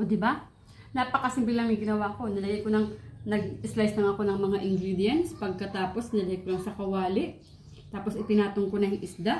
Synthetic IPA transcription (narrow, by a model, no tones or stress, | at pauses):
ʔod̪ɪba | naːpɐkɐsɪmbɪlɐŋɪɡɪnɐwako̞nɐlɐɡɐkonɐŋnɐɡ̚ɪslajslɐŋɐko̞nɐŋmɐŋaʔɪŋɡɾiːd̪ɪjɛnt̪spɐɡ̚kɐt̪aːpo̞snɐlɛkʊɾɐŋsɐkɐwaːlɪʔ | t̪aːposɪt̪ɪnaːt̪oŋkonɐŋʔɪsd̪aʔ